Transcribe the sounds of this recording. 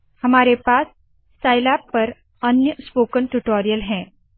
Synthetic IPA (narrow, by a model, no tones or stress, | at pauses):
hɐmaːɾepaːs | sʈaːɪlaːpːɐɾ | ənjəspoːkəɳʈuʈoːɾijəlɦɛ̃ː